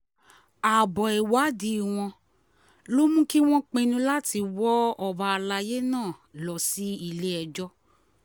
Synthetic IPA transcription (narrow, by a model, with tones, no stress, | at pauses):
a˨bɔ˨ɛ˨wa˨˦di˦˨w̃ɔ̃˧ | lo˦mũ˦ki˦w̃ɔ̃˦k͡pẽ˧nũ˧la˦ti˧wɔ˦ɔ˨ba˧la˧je˦nãː˦˨lɔ˨si˨˦i˦˨le˦ɛ˧d͡ʒɔ˦